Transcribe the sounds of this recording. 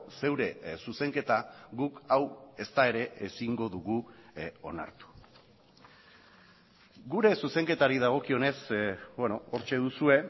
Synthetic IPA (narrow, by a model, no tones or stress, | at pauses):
se̞wɾe̞suse̞ŋke̞t̪aɣukawe̞st̪ae̞ɾe̞ʔesiŋɡo̞ðuɣuo̞̰na̰ɾt̪u̥ | ɡuɾe̞suse̞ŋke̞t̪aɾiðaɣ̞o̞kio̞ne̞sbwe̞no̞oɾt͡ʃe̞ðusue̞